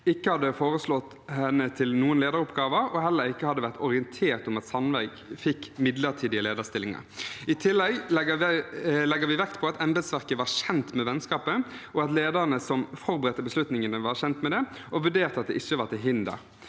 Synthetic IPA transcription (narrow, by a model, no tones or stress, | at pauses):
ɪkːəhɑd̪ːəfoːɾəslɔt̪ | hɛnːət̪ʰɪlnuːənleːd̪əɾʊpɡɑːʋəɾɔɦɛlːəɾɪkːəhɑd̪ːəʋæʁt̪ɔʁɪɛnt̪ʰeːʁt̪ɔmɑt̪sɑnʋæɪɡfɪkːmɪd̪ləʁt̪ʰiːd̪ɪəleːd̪əʁst̪ɪlɪŋɑ̰ɾɪt̪ʰɪlːɛɡ̪əlɛɡːəʋɪʋɛkt̪pʰɔɑt̪ʰɛmbɛd̪sʋæʁkəʋɑʁʃɛnt̪mɛʋɛnskɑːpəʔɔɑt̪leːd̪əɾənəsɔmfɔɾbəɾɛt̪ːəbəslʉt̪nɪŋənəʋɑʁçɛnt̪mɛd̪ɛ | ɔʋʉɖeːʁt̪ɑt̪̚d̪ɛʔɪçːəʋɑʁt̪ɪlɦɪnd̪ə̰ɾ